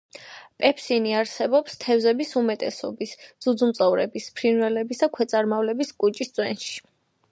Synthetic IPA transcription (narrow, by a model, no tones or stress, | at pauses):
pʼɛpʰsiniaɾsɛbɔpst̪ʰɛvzɛbisumɛt̪ʼɛsɔ̰bisdz̥ud̪zumt̪sʼɔvɾɛ̰bispʰɾinvɛlɛbisd̪akʰwɛt̪sʼaɾmavlɛbiskʼut͡ʃʼist̪sʼwɛ̰nʃi̥